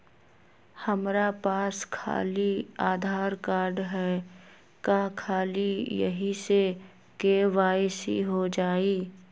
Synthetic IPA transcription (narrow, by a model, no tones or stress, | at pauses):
həmɾapaːskʰa̰ːliaːd̪ʱaːɾkaːɾɖɦɛː | kakʰaːlijə̰ɦise | keːʋaːesḭɦod͡ʒaːiː